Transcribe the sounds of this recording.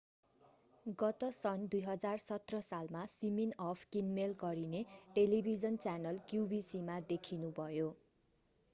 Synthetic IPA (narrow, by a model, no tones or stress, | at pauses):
ɡʌt̪ʌsʌnd̪ujɦʌd͡zarsʌt̪rʌsalmasiminʌpʰkinmelɡʌɾineʈelibʱid͡zʌnt͡sanʌlkjubisimad̪ekʰinubʱʌjo